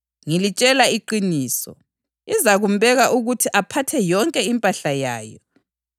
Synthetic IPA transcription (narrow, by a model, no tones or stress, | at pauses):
ŋilit͡ʃʼɛlaiǃiniːsɔ̰ | izaɣumbɛɣaʔuɣutʰiʔapʰatʰɛjɔŋkʼɛimpʼaɬajaːjɔ̰